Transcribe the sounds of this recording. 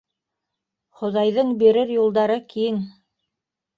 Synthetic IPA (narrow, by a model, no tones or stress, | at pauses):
χŏðɑjðɤɴbiɾɘɾjulˠd̪ɑɾɤkijɘŋ